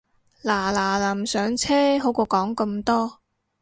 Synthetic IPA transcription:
laː˨˩laː˨˩laː˨˩msœː˨˥ŋt͡sʰɛː˥ɦo˨˥wkɔː˧kɔː˨˥ŋkɐ˧mt̪ɔː˥

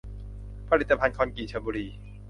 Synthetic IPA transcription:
pʰa˧ɾi˨˩t̪ːa˧pʰa˧nkʰɔː˧nkiː˨˩t͡ɕʰa˧buː˧ɾiː˧

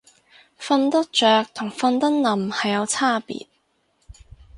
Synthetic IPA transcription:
fɐ˧nt̪ɐ˥k̚t͡ʃœː˨k̚t̪ʰʊ˨˩ŋfɐ˧nt̪ɐ˥n̚lɐ˨mhɐ˨jːɐ˨˧wt͡sʰaː˥˩pḭː˨˩t̚

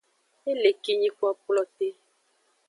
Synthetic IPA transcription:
e˦le˨ki˨ɲĩ˦ku˦a˦k͡plɔ˨t̪e˦

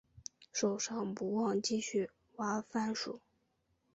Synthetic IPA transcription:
ʂo˨˩ʊʂɑ˥˧ŋpu˧˥wɑ˥˧ŋt͡ɕi˥˧ɕy˥˩ | wa˧˥fa˥˩nʂu˨˩˦

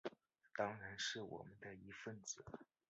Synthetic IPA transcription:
t̪ɑ˥ŋɻa˧˥nʂɻ̩˥˩wɔ̰˨˩mə˦nd̪ə˧i˧˥fə˥˩nt͡sɤ̰˨˩˦

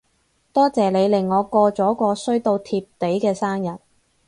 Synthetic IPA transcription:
t̪ɔː˥t͡sɛː˨˩le˨˧jlɪ˨˩ŋːɔː˨˧kɔː˧t͡sɔː˨˥kɔː˧sɵ˥ɥt̪o˧wt̪ʰiː˧p̚t̪e˨˥jkɛː˧saː˥ŋjɐ˨t̚

